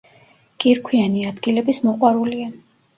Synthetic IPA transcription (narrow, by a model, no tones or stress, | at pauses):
kʼiɾkʰwianiad̪ɡilɛbismɔqʼwaɾulia